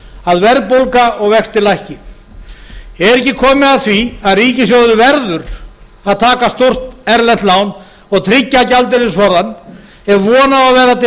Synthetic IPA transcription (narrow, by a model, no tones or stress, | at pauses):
aðvɛɾpolkaɔɣvɛxst̪ɪlajhcɪ | ɛɾɛcːɪkʰɔːmɪaðθviaðriːcɪs̬jowðʏɾʏvɛɾðʏɾ | aðt̪ʰaːkast̪or̥t̪ɛɾlɛnt̪laːwn | ɔɣt̪ʰɾɪcːacalt̪̬ɪɾɪsvɔɾðanː | ɛɾvɔːnaaðvɛːɾat̪